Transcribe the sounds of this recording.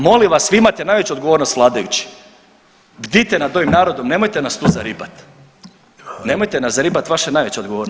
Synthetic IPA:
mo̞limʋasʋiimat̪enajʋet͡ɕuod̪ɡoʋo̞ɾno̞st̪ʋlˠaːd̪ajut͡ɕi̥ | bd̪it̪enad̪o̞ʋimnaːɾo̞d̪o̞mne̞mo̞jt̪e̞nast̪uzaɾipat̪ | ne̞mo̞jt̪enaszaɾipat̪ʋaʃenajʋe̞t͡ɕeod̪ɡoʋo̞ːɾn

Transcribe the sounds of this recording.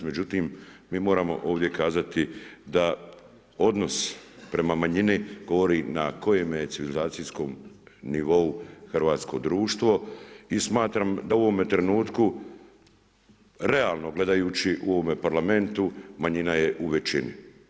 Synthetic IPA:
me̞d͡ʒut̪iːmmiːmo̞ːɾamo̞̰ʔo̞ːʋd̪je̞kaːzat̪id̪a | o̞d̪no̞spɾe̞mamaɲiniɡo̞ʋo̞ɾinakʰo̞jemeet̪iʋilizaːt̪sijsko̞mniʋo̞uxr̩ʋaːt̪sko̞̰d̪ɾuːʃt̪ʋo̞ismaːt̪ɾamd̪auoʋo̞me̞t̪ɾe̞nuːt̪ku | ɾe̞aːlˠno̞ɡle̞d̪ajuːt͡ɕiʔuo̞ʋome̞paɾlame̞nt̪umaɲinaje̞ʔuʋe̞t͡ɕinḭ

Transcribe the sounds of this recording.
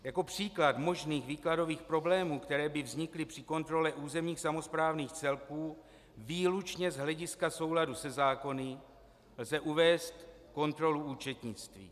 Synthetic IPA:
jako̞pr̝̥iːklad̪mo̞ʒniːxviːklado̞viːxpɾo̞blɛːmuːkt̪ɛɾɛːbɪvzɲɪklɪpr̝̥ɪko̞nt̪ɾo̞lɛʔuːzɛmɲiːxsamo̞spɾaːvniːxt͡sɛlkuː | viːlut͡ʃɲɛzɦlɛɟɪskaso̞wladusɛzaːko̞nɪ | lzɛʔuvɛːst̪ | ko̞nt̪ɾo̞luʔuːt͡ʃɛt̪ɲɪt͡st̪vḭː

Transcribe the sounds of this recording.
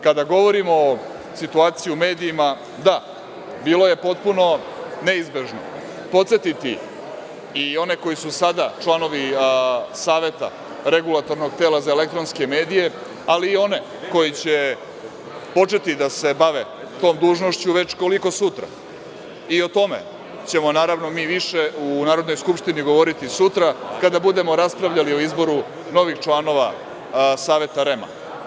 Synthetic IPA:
kad̪aɡo̞ʋo̞ɾimo | sit̪uaːt̪sijume̞ːd̪iːma | d̪a | biːlo̞je̞po̞t̪̚puno̞ | ne̞izbeʒno̰ | po̞t̪se̞t̪it̪i | io̞ne̞ko̞jisusad̪at͡ʃlˠano̞ʋi | saːʋe̞t̪a̰ | ɾe̞ɡulˠat̪o̞ɾnoɡ̚t̪eːlazaele̞k̚t̪ɾonske̞me̞ːd̪ije̞ | aliːo̞ne̞ | ko̞jit͡ɕe̞ | po̞t͡ʂe̞t̪id̪ase̞baʋe̞ | t̪o̞ːmd̪uːʒno̞ʃt͡ɕuʋe̞t͡ɕko̞liko̞sut̪ɾa̰ | io̞t̪o̞me̞̰ | t͡ɕe̞mo̞naːɾaʋno̞miːʋiʃe̞unaːɾo̞d̪no̞jskupʃt̪iniɡo̞ʋo̞ɾit̪isut̪ɾakad̪abud̪e̞mo̞ɾaspɾaʋʎalio̞izbo̞ɾu | no̞ʋixt͡ʃlˠano̞ʋa̰ | saːʋet̪aɾe̞ma̰

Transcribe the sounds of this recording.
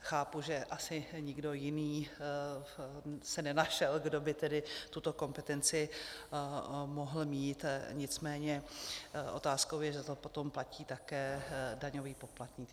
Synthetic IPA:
xaːpuʒɛʔasɪɲɪɡdo̞jɪniː | sɛnɛnaʃɛlɡdo̞bɪt̪ɛdɪt̪ut̪o̞ko̞mpɛt̪ɛnt͡sɪ | moɦl̩miːt̪ɲɪt͡smɛːɲɛ | ʔo̞̰t̪aːskowjɛʒɛt̪opot̪o̞mplaciːt̪akɛːdaɲo̞viːpo̞plat̪ɲɪ

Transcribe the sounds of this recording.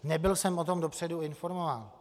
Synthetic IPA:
nɛbɪlsɛmot̪omdopr̝̥ɛduɪnfo̞ɾmovaːn

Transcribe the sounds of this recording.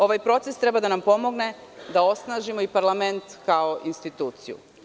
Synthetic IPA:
o̞ʋajpɾo̞t̪sest̪ɾe̞bad̪anampo̞mo̞ɡne̞d̪ao̞snaːʒimo̞ipaɾlˠame̞nt̪kao̞ʔinst̪it̪uːt̪sijṵ

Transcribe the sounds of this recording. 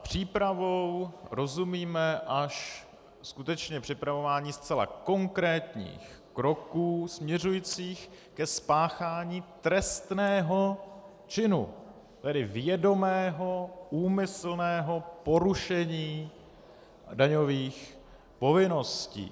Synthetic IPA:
pr̝̥iːpɾavowɾo̞zumiːmɛʔaʃ | skut̪ɛt͡ʃɲɛpr̝̥ɪpɾavo̞vaːɲiːst͡sɛla̰ko̞ŋkɾɛːt̪ɲḭːx | kɾo̞kuːsmɲɛr̝ujit͡siːx | kɛspaːxaːɲiːt̪ɾɛst̪nɛːɦo̞ | t͡ʃɪnṵ | t̪ɛdɪvjɛdo̞mɛːɦo̞uːmɪsl̩nɛːɦo̞po̞ɾuʃɛɲiː | daɲo̞viːx | po̞vɪno̞scḭː

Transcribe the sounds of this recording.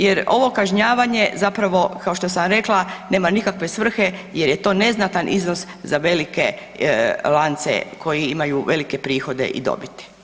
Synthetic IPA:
jeɾo̞ʋo̞kaʒɲaːʋaɲe̞zapɾaʋo̞kaoʃt̪osamɾe̞klˠane̞ːmanikakʋe̞sʋr̩xe̞je̞ɾjet̪o̞ːne̞znat̪anʔḭzno̞s | zaʋe̞like | lˠant̪sḛkʰo̞jiimajuʋe̞like̞pɾiːxo̞d̪e̞̰ʔḭd̪o̰bit̪i̥

